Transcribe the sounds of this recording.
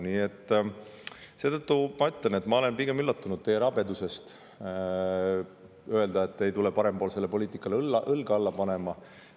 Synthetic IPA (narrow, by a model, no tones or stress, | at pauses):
niːe̞t̪ː | se̞ːt̪ɤt̪ːumɑyt̪ːˑlene̞t̪mɑo̞le̞npiɡ̥e̞mylːɑt̪ːˑunud̪̚t̪e̞jeɾɑbe̞d̪use̞st̪ | ø̞e̞ld̪ɑet̪ːe̞jt̪ulepɑɾe̞mpoːlse̞lːepo̞liːt̪ikːˑɑllːɑʔɤlɡ̥ɑɑlːɑpɑne̞mɑ